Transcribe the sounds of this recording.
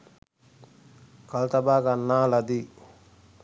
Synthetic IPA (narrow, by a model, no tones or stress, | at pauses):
kalt̪abaːɡanːaːlad̪i